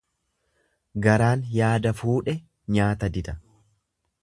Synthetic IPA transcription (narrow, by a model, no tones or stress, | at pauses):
ɡɐɾaːnjaːd̪ɐfuːᶑɛ | ɲaːt̪ɐd̪ɪd̪ɐ